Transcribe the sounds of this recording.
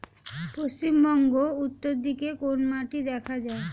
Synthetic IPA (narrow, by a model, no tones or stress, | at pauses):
pɾost͡ɕimbɔŋɡout̪ːoɾd̪ikekonmaʈid̪ɛkʰad͡ʑae